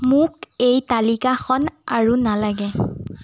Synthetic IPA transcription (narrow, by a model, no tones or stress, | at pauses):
mʊkejtalikaxɔnaɹunalaɡɛ